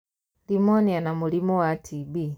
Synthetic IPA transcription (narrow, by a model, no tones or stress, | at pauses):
limɔnianamulimɔwatʰibi